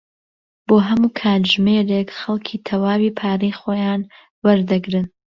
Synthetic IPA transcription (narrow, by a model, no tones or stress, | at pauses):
b̥oːɦɐmuːkʰaːt̪ʒmeːɾekxɐlˠkʰiːt̪ʰɐwaːwiːpʰaːɾijχoːjaːn | wɐɾd̪ɨɡɾɨn